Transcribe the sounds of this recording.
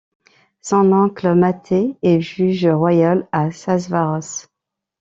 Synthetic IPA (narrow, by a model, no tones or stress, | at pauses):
sɑ̃lɑ̃kləmat̪ʰeɛʒyʒʁwajalasazvaʁɔs